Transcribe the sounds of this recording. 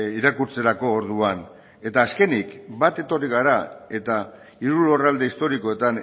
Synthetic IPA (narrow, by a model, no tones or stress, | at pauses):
iɾakuɾt͡se̞ɾako̞ːɾð̞uan | e̞t̪aːske̞nikbat̪e̞t̪o̞riɣ̞aɾae̞t̪a | iɾulo̞rald̪e̞ist̪o̞ɾiko̞e̞t̪an